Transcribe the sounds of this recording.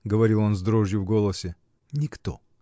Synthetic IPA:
ɡəvɐɾʲilˠo̞nzd̪ɾoʐjʊvɡolˠəsʲɪ | nʲɪkt̪o̰

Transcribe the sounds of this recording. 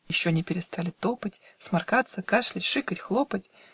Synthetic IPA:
ɪɕːonʲɪpʲɪɾʲɪst̪alʲɪt̪opətʲ | smɐrkat̪səkaʂlʲɪtʲʂɨkətʲxlˠopətʲ

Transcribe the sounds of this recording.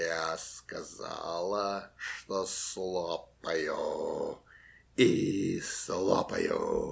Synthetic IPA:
askɐza̰lˠɐʂt̪oslˠɔpɐjo | islˠɔ̰pɐ̰jo̰

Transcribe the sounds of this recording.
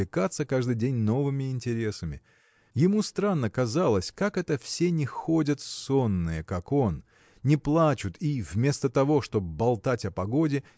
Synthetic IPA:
ɪkat̪səkaʐd̪ɨjdʲenʲno̞vɨmʲɪɪnʲtʲɪɾʲe̞səmʲɪ̰ | jɪmust̪ɾanːəkɐzalˠəsʲkakɛt̪əfsʲenʲɪxo̞dʲət̪so̞nːɨjəkako̞n | nʲɪplˠat͡ɕʊt̪ʰivmʲe̞st̪ət̪ɐvo̞ʂt̪o̞bɐlˠt̪atʲɐpɐɡo̞dʲɪ

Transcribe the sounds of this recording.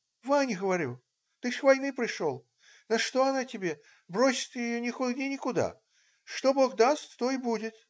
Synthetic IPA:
vanʲɪɡəvɐɾʲu | t̪ɨʂvɐjnɨpɾʲɪʂolˠ | nɐʂt̪oɐnatʲɪbʲe̞ | bɾosʲɪ̥t̪jɪjonʲɪxʊɡʲɪnʲɪkʊd̪a̰ | ʂt̪o̞bo̞ɣd̪ast̪t̪oɪbudʲɪt̪

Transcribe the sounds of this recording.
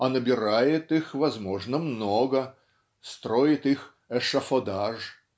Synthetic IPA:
ɐnəbʲɪɾajɪt̪ɨxvɐzmoʐnəmnoɡə | st̪ɾojɪt̪ɨx | ɛʂəfod̪aʐ

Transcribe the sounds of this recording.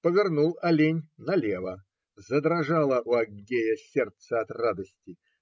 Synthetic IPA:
pəvʲɪrnulˠɐlʲenʲnɐlʲevə | zəd̪ɾɐʐalˠəʔuɐɡːʲejəsʲert̪səɐt̪rad̪əsʲtʲɪ

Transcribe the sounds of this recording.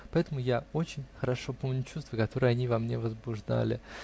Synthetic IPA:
pɐɛt̪əmʊjao̞t͡ɕɪnʲxəɾɐʂo̞po̞mnʲʊt͡ɕust̪vəkɐt̪o̞ɾɨjɐnʲivamnʲevəzbʊʐd̪a̰lʲɪ̰

